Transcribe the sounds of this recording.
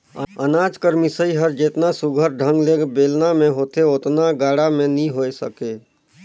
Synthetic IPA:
ənaːd͡ʒkəɾmisəiɦəɾd͡ʒeːt̪nasuɡʱəɾɖʱə̃ŋɡleːɡbeːlnamẽɦoːt̪eot̪naɡaːɽamẽnĩɦoːsə̰keː

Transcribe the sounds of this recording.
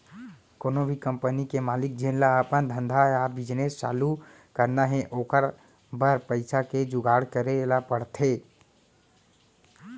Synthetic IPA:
koːnobʱikəmpənikemaːlik̚d͡ʒinlaəpənd̪ʱə̃nd̪ʱaabid͡ʒnest͡ʃa̰ːlu | kəɾnaɦẽʔoːkəɾ | bəɾpəɪsaked͡ʒuɡaɽ̤kəɾelapəɽt̪ʰe

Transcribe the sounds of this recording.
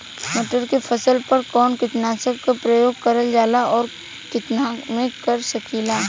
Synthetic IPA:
mɐʈəɾkefʰɐsəlpɐɾkɔːnkɪt̪naːsəkkapɾəjoːɡ̚kɐɾəld͡ʒaːlaɔːɾ | kɪt̪namẽkɐɾsɐkiːlaː

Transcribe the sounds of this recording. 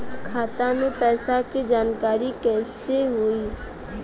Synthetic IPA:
kʰaːt̪anopɛːsaked͡ʒaːnkaːɾikɛːseɦoːiː

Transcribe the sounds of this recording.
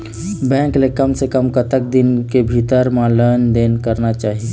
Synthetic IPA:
bɛ̃ːŋklekəmsekəmkət̪ək̚d̪ɪnkebʱit̪əɾmãləːnd̪eːnkəɾnat͡ʃaːɦie

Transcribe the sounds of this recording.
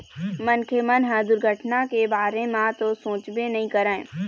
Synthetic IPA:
mənkʰemənɦãd̪ʊɾɡʱəʈnakebaːɾemãt̪osõːt͡ʃbenɐɦĩkɐɾãẽ

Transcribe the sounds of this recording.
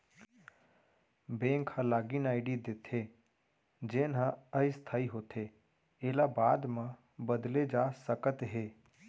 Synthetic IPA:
bẽːŋkhãlaːɡinaːɪɖid̪eːt̪ʰe | d͡ʒeːnɦə̃əist̪ʰaːiɦoːt̪ʰe | eːlabaːd̪mã | bəd̪led͡ʒaːsəkət̪ɦeː

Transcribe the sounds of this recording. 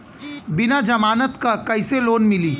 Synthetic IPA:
bɪnad͡ʒɐmaːnət̪kakɐɪseloːnmɪliː

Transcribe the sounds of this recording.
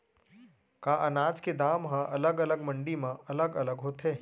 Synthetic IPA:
kãːʔɐnaːd͡ʒked̪aːmɦãʔɐləɡɐləɡmɐ̃ɳɖimãɐləɡɐləɡɦoːt̪ɦeː

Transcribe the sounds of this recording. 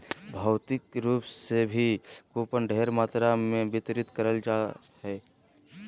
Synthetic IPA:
bʱəʊt̪ɪkɾuːpsebʱikuːpənɖʱeɦɾmaːt̪ɾamẽbɪt̪ɾɪt̪kəɾəld͡ʒa | ɦɛː

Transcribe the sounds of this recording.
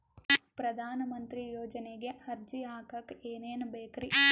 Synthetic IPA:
pɾɐd̪ʱaːnɐmɐnt̪ɾijoːd͡ʒɐneɡe̞hɐɾd͡ʒiaːkɐkeːneːnbeːkɾi

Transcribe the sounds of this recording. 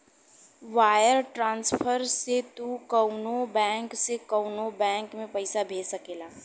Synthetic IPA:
ʋaːjəɾʈɾãːnspʰəɾset̪ukəʊnobɛ̃ːŋksekəʊnobɛ̃ːŋkmẽpɐɪsabʱeːsəkeːlaː

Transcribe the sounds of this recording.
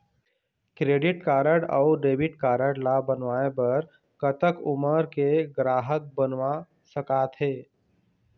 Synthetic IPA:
kɾeːɖɪʈkaːɾəɽa̰ːʊɖeːbɪʈ̚kaːɾəɽlabənʋaːepɐɾ | kət̪əkʊməɾkeɡɾaːɦək̚bənʋa | səkaːt̪ɦeː

